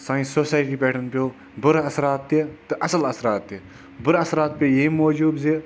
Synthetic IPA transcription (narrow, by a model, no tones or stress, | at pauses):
sãːĩsoːsaːjʈiːpeːʈʰɐnpjoː | bɨɾɐsɾaːt̪ːet̪ɨʔɐsɐlɐsɾaːt̪ːe | bɨɾɐsɾaːt̪̚pʲejeimoːd͡ʒuːbze